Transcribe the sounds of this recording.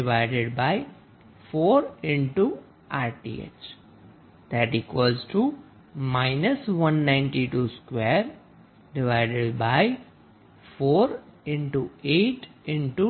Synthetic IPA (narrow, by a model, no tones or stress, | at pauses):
ɖɪʋaɪɖeɖbaɪ | foːɾɪ̃ɳʈu | ʔaːɾʈḭḛt͡ʃ | d̪̥æʈɪkʋɔːɾzʈu | maɪnəsʋʌ̃nːãɪ̃nʈiʈuːskʋeɾ | ɖɪʋaɪɖeɖbaɪ | foːɾɪ̃ɳʈueːʈɪ̃ɳʈu